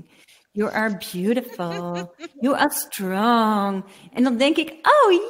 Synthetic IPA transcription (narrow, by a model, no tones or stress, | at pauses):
jɨʔə˞bjʉɾɨfl̩ˠjɨʔə˞stʰɹ̥ɔŋ | ʔɨ̃nəlˠðɪ̃ŋkɪ̃kʔoʊ